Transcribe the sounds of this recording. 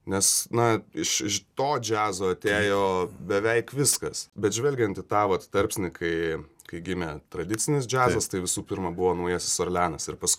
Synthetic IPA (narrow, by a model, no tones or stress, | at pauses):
nʲɛsnɐɪʃɪʃt̪oːd͡ʒʲæːzoːɐt̪ʲeːjoːbʲɛʋʲɛɪkʋʲɪskɐsbʲɛt̪ʒʲʋʲɛlʲɡʲɛnt̪ɪt̪ɑːʋɐt̪t̪ɐɾʲpʲsʲnʲɪkɐɪkɐɪɡʲɪmʲɛːt̪ɾɐd̪ʲɪt͡ssʲɪnʲɪs̬d͡ʒʲæːzɐst̪ɐɪʋʲɪsuːpʲɪɾmɐbʊʋoːnɐʊjɛːsʲɪ̥soɾlʲæːnɐsɪɾpɐsk